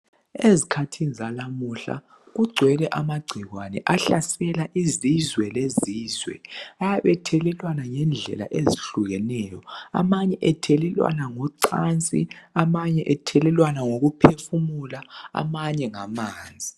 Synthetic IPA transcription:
ezikʰatʰinizalamuɬa̰ | ɣuɡ͡ǀʱwɛlɛʔamaɡ͡ǀʱiɣwanɛ̰ʔaɬasɛlaʔizizwɛleziːzwɛ̰ajaβɛtʰɛlɛlwanaŋɛnd͡ɮʱɛ̰la̰ʔeziɬuɣɛnɛːjɔa̰maɲɛʔɛtʰɛlɛlwa̰naŋɔǀant͡sʼḭamaɲɛʔɛtʰɛlɛlwanaŋoɣupʰefumulaa̰maɲɛŋamaːnd͡zʱi

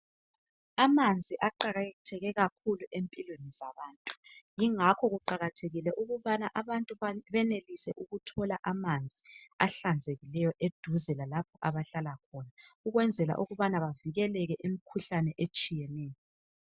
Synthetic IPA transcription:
amand͡zʱiʔaǃaɣatʰɛɣɛɣakʰuluʔempʼilwenizaβaːntʼu̥jiŋakʰɔɣuǃaɣatʰeɣilɛʔuɣuβanaʔaβantʼuβɛnelisɛʔuɣutʰɔlaʔamand͡zʱiaɬand͡zʱeɣilɛjɔʔed̥ʱuzɛlalapʰɔʔaβaɬalakʰɔnauɣwɛnd͡zʱɛla̰ʔuɣuβanaβaviɣɛlɛɣɛʔemikʰuɬanɛʔet͡ʃʼijɛnɛːjɔ

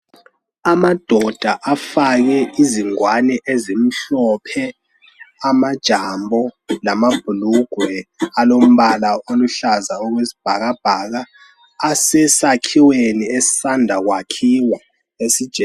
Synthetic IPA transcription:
amad̥ʱɔd̥ʱaʔafaɣɛiziŋwanɛʔezim̩ɬɔpʰɛ | amad̥ʒ̥ʱambʱɔlamab̥ʱuluɡ̥ʱwɛalom̩βalaoluɬazaɔɣwesi̥b̥ʱaɣab̥ʱaɣaː | sɛsakʰiweniesi̥sandʱaɣwakʰiwa | esid̥ʒ̥ʱɛ

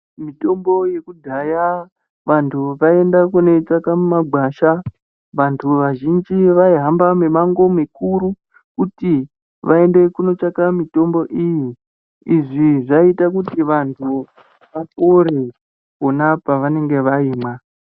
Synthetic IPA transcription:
mito̞mbo̞je̞kudʱaja | ʋantʰuʋae̞ndakune̞t͡sakamumaɡʱwaːʃa | ʋantʰuʋaʒind͡ʒiʋaiɦambamemaŋɡo̞mikuɾu | kuti | ʋae̞nde̞kuno̞t͡ʃakamito̞mbo̞ʔiji | iʐiʐaitakutiʋantʰu | ʋafoɾe | onapaʋane̞ŋɡe̞ʋaiːmwa

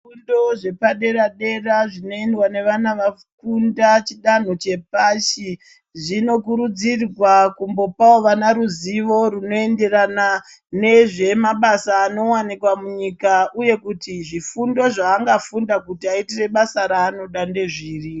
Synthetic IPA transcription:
undoʐe̞paɗe̞ɾaɗe̞raʐino̞endwane̞ʋanaʋa | kundat͡ʃiɗan̤o̞t͡ʃe̞paʃi | ʐino̞kuɾud͡zirwakumbo̞paoʋanaɾuziʋo̞runo̞e̞nde̞rana | ne̞ʐe̞maɓasaːno̞wanikwamuɲikauje̞kutiʐifundo̞ʐaːŋɡafundakutiaitire̞ɓasaɾaːno̞ɗande̞ʐiːri

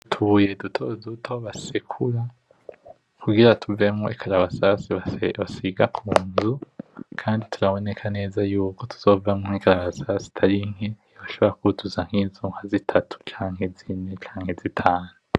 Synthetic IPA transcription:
tʰuje̞dutʰodutʰo̞βasekʰuɾa | kʰuɡiɾatʰuve̞mŋoikʰaɾaβasasiβaβasiɡakʰuːnzukʰaːnditʰuɾaβo̞ne̞kʰane̞ːzajuːko̞tʰu̥z̥o̞vamŋoŋikaɾaβasasi̥tʰaɾiŋ̥e | βaʃo̞βoɾakuutʰuzaŋ̥hiːnzuŋhazitʰatʰu̥t͡ʃaːŋhe̞zinet͡ʃaːŋhe̞zitʰaːnu

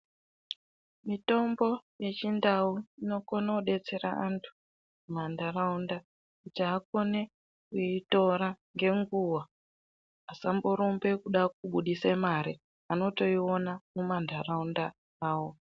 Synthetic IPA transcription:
mito̞mbo̞je̞t͡ʃindauino̞konauɗe̞t͡se̞ɾa̰antʰu̥ | mandʱaraunda | it͡ʃaːko̞ne̞ | kuito̞ɾaŋɡe̞ŋɡuwa | asamboɾumbe̞kuɗak̚uɓuɗisemaɾi | ano̞to̞io̞namumandʱaraunda | aːwo

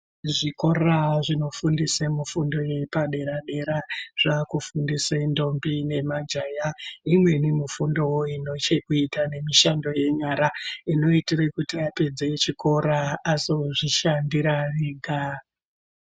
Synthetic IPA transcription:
ʐiko̞raʐino̞fundisemufundo̞je̞paɗe̞ɾaɗe̞ɾaʐ̥akufundisendo̞mbine̞mad͡ʒajaimwe̞nimifundo̞woino̞t͡ʃekuitane̞miʃando̞je̞ɲaɾaino̞itirekutiape̞d͡zet͡ʃiko̞ɾaːsoʐiʃandiɾariɡʱa

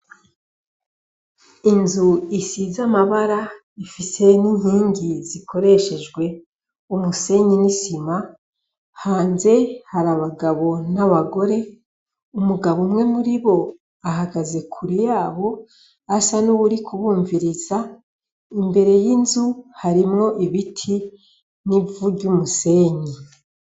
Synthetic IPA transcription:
inzuisizamaβaɾa | ifise̞ninhiːɲɟiziko̞ɾe̞ʃe̞d͡ʒɡwe̞ | umuse̞ɲinisima | haːnze̞haɾaβaɡaβo̞naβaɡo̞ɾe̞ | umuɡaβomŋe̞muɾiβo̞ | aɦaɡaze̞kʰuɾijaːβo̞ | asanuβuɾikʰuβuːɱviɾiz̥a | imbe̞ɾe̞jinzuhaɾimŋo̞ʔiβitʰi | nivuɟumuse̞ːɲi

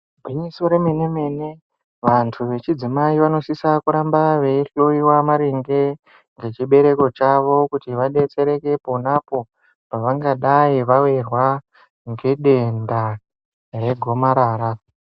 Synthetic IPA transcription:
bʱwiɲisoɾemene̞mene̞ | ʋantʰuʋe̞t͡ʃid͡zimaiʋano̞sisakuɾambaʋeiroiwamaɾiŋɡe̞ | ŋɡe̞t͡ʃiɓe̞ɾe̞ko̞t͡ʃaʋo̞kutiʋaɗe̞t͡se̞ɾe̞ke̞po̞napo̞ | paʋaŋɡaɗaiʋawerwa | ŋɡe̞ɗe̞nda | re̞ɡʱo̞maɾaːɾa

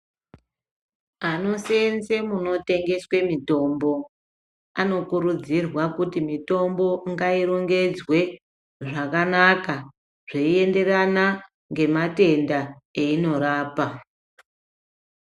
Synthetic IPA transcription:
ano̞se̞nze̞muno̞te̞ŋɡe̞swe̞mito̞mbo̞ | ano̞kuɾud͡zirwakutimito̞mbo̞ŋɡaiɾoŋɡe̞d͡zwe̞ | ʐakanaka | ʐ̥eie̞nde̞rana | ŋɡe̞mate̞ndaeino̞ɾaːpa

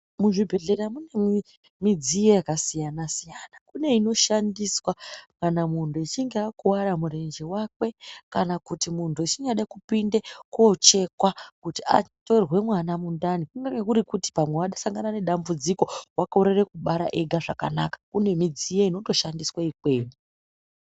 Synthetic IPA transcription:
muʐibʱe̞ɮe̞ɾamune̞mi | mid͡zijejakasijanasijanakune̞ino̞ʃandiswakanamuntʰuit͡ʃiŋɡeakuwaɾamure̞nd͡ʒewakwe̞kanakutimuntʰuit͡ʃiɲaɗakupinde̞ko̞t͡ʃe̞kwakutia̰to̞rwe̞mwanamundanikuŋɡaekuɾikuti̥pamwe̞waɗasaŋɡanane̞ɗambud͡ziko̞wakoɾerekuɓaɾa̰ʔe̞ɡʱaʐaka̰nakḁkune̞mid͡zijeino̞to̞ʃandiswaikwe̞ːnu

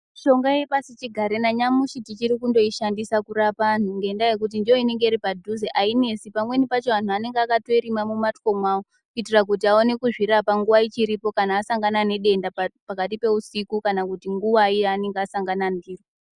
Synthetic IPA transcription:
ʃo̞ŋɡaje̞pasit͡ʃiɡʱaɾenaɲamuʃitit͡ʃiɾikundo̞iʃandisakuɾapan̤uŋɡe̞ːndaje̞k̬ut̬indijo̞ine̞ŋɡe̞iripadʱuzeʔaine̞sipamwe̞nipat͡ʃeʋan̤uane̞ŋɡeakato̞iɾimamumatko̞mwawo | kuitirak̬ut̬iao̞ne̞kuʐiɾapaŋɡuʋait͡ʃiɾipo̞kanaːsaŋɡanane̞ɗe̞ndapakat̬ipe̞usikukanakutiŋɡuʋaiane̞ŋɡeasaŋɡanandiːro

